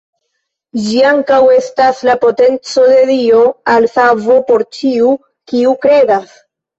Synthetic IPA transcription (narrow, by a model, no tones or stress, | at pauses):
d͡ʒiaŋkawe̞staslapo̞te̞nt͡so̞de̞dio̞alsavo̞po̞ɾt͡ʃiu | kiukɾe̞das